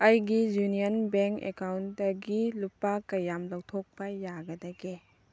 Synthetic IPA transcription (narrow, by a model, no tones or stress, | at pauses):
ɐjɡijunijɐnbeŋkḛkawndɐɡilupakɐjamlɐwtʰok̚pɐjaɡɐdɐɡe